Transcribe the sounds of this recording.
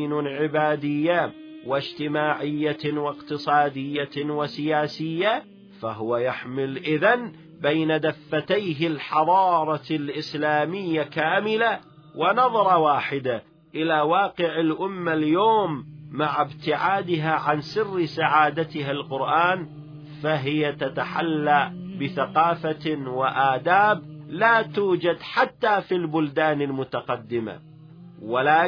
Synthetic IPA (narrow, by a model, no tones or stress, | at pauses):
nʕɪbaːd̪ɪjːawɪd͡ʒt̪ɪmaːʕɪjːawɪqt̪ɨsˤɑːd̪ɪjːawɪsɪjaːsɪjːa | faɦʊwajaħmɪlʔɪðan | bajnad̪afːat̪ajɦɪlħɑðˤɑːɾˤɑlʔɪslaːmɪjːakaːmɪla | wʔɪnɑðˤɑɾˤɑwaːħɪd̪a | ʔɪlawɑːqɪʕɪlʔʊmːaljoːmːaʕɪbt̪ɪʕaːd̪ɪɦaʕansɪrːsaʕaːd̪at̪ɪɦalqʊɾʔaːn | faɦɪjat̪at̪aħalːabɪθaqɑːfawɪʔaːd̪aːb̚laːt̪uːd͡ʒad̪ħat̪ːaːfilbʊld̪aːnɪlmʊt̪aqɑd̪ːɪma̰ | walaː